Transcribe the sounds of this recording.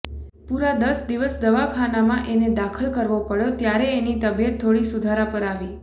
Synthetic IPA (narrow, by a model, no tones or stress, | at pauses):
puɾad̪əsd̪iʋəsd̪əʋakʰanamãʔened̪akʰəlkəɾʋopəɭjot̪jaɾeːnit̪əbjət̪ʰːoɽisud̪ʱaɾapəɾaʋi